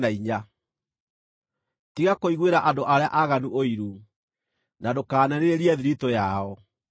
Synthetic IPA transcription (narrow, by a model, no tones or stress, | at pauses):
naiɲa | tiɣakoiɣweɾaʔandoʔaɾeaʔaɣanuʔoiɾu | nadokaːnɛɾeɾiɛðiɾitojaɔ